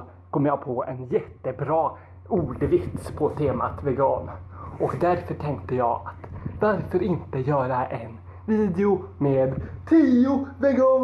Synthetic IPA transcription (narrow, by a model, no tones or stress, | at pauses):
kʰɔmːəjɑːɡpʰɔɛnjɛt̪ːəbɾɑː | uːɖvɪt̪spʰɔt̪ʰeːma̰t̪vɛɡɑːnʔɔkd̪æɾfœʈʰɛŋk̚t̪əjɑ̰ːɡat̪vaɾfœɾɪnt̪əjœːɾaʔɛn | viːd̪ɛʊmeːd̪t̪ʰiːʊvɛɡɑː